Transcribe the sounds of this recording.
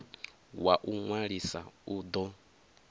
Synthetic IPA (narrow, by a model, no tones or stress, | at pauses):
waʔuŋwaɺisa̰ud̪ɔ